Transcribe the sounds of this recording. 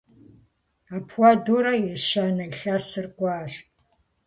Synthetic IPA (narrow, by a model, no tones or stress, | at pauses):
aːpʰwadoːɾɐjɛʃanɐiɬasɨrɡʷʼaːɕ